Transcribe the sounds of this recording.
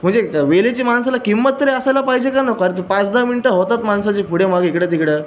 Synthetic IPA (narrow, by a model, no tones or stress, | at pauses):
m̤əɳd͡zeʋelet͡ɕiːmansalakimːət̪ːəɾiəsalapaɦid͡ʑekanəkaɾət̪əpãt͡sd̪aminiʈəɦot̪at̪mansat͡ɕiːpʰuɽemaɡikɽet̪̬ikɽe